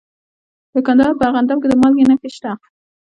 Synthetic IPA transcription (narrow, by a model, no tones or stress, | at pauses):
d̪̥əkand̪ɑɾpəaɣand̪amked̪əmɑlɡenakɪʃʈ̪a